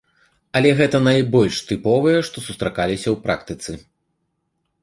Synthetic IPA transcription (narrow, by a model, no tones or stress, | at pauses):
ɐlʲɛɣɛt̪ɐnajbɔlʲʂt̪ɨpɔvɨjɛʂt̪ɔsust̪ɾakalʲisʲɐwpɾʔa̰kt̪ɨt̪sɨ